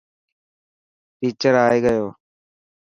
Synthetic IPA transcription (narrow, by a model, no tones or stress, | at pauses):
fiːt͡ʃəɾaːeːɡəjoː